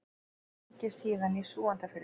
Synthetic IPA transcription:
cɛsiːðanisuːant̪afɪɾ

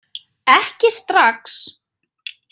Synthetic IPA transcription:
ɛhcɪst̪ɾaks

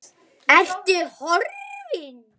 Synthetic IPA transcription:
ɛft̪ɪhɔɾvɪn

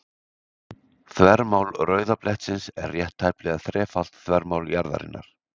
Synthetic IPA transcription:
θvɛɾmawlrœːɥðaplɛht̪sɪnsɛ̰rːjɛht̪ʰːajplɛɣaθɾɛːfal̥t̪θvɛɾmawljaɾða̰ɾɪ̰nːa̰ɾ̥

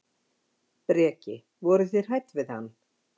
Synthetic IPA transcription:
pɾɛːcɪ | vɔɾʏθjɛɾ̥hajt̪vɪðhanː

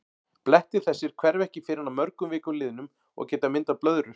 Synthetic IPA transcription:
plɛht̪ɪ̥θɛsːɪɾ̥kʰvɛɾvɛhcɪfɪːɾɪanamœɾkʏmvɪːkʏmlɪːðnʏm | ɔ̰ɣcɛːt̪amɪnt̪awplœðɾʏ

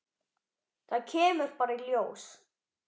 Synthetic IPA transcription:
θaðcʰɛːmʏɾ̥paːɾailjoːws

